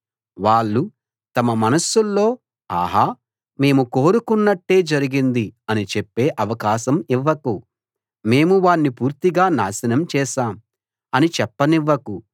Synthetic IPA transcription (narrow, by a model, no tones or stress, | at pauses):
ʋaːɭːu | t̪ɐmɐmɐnɐsːulːo̞ː | a̰ːɦaː | me̞ːmuko̞ːɾukunːɐʈːe̞ːd͡ʒɐɾiɡind̪iɐnit͡ʃepːe̞ːʔɐʋɐkaːʃɐmiʋːɐku | me̞ːmuʋaːɳːipuːɾt̪iɡaːnaːsɐnɐmt͡ʃɛːʃaːm | ɐnit͡ʃɛpːɐniʋːɐku